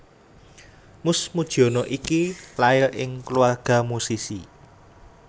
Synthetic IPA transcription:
mʊsmud̥ʒ̥ɔ̤nɔʔikilaɪlʔɪŋkəluarɡ̥a̤musisi

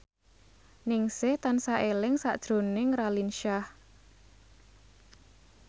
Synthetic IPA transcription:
nɪŋsɪht̪ansaʔelɪŋsaʔd̥ʒ̥ɾo̤nɪŋralinʃah

